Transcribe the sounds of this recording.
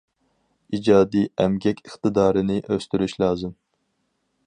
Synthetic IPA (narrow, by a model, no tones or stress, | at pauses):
id͡ʒɑːd̪iɛmɡʲɛkʲɨχt̪ɨd̪ɑːɾɨnɪʔøst̪yɾyʃlˠɑːzɨm